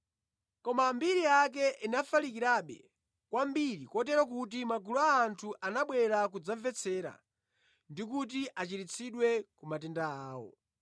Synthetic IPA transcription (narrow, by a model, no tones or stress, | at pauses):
kɔmambiɾijak̬ɛʔinafalik̬iɾaɓɛ̰ | kwambiɾikɔt̬ɛɾak̬ut̬imaɡuluaːntʰuʔanaɓwɛɾak̬ud͡zaɱvɛt͡sʰɛːɾa̰ | ndik̬ut̬iʔat͡ʃitit͡sʰiɗwɛkumatɛndaaːwɔ̰